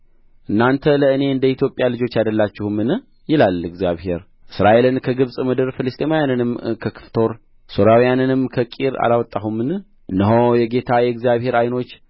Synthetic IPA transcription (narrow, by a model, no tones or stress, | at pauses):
ʔɨnːant̪ʰələɨne̞ɨnd̪əit̪jo̞pʼːjalɨd͡ʒo̞t͡ʃːjad̪əlːat͡ʃːɪhumːɨn | jɪlalɨɡzijaβhe̞ɾ | ʔɨsɾaʔe̞lɨnkʰəɡɨβsʼmɨd̪ɨɾfɨlɨst̪ʼimajanɨnɨmkʰəkʰɨ̥ft̪ʰo̞ɾ | soɾawijanɨnɨmkʰəkʼiɾa̰lawɔt̪ʼːaɦumːɨn | ʔɨnːəɦojɛɡe̞t̪ʰajɛɡzijaβhe̞ɾajno̞t͡ʃː